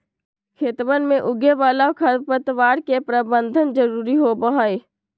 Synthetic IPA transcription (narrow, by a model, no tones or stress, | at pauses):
kʰeːt̪ʋənmẽʔʊɡeʋaːlakʰəɾpət̪ʋaːɽkepɾəbə̃nd̪ʱənd͡ʒəɾuːɾiɦobəɦae